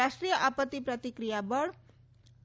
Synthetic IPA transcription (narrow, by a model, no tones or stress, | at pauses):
aʂʈɾijəʔapət̪ːipɾʌt̪ikɾijabʌɽ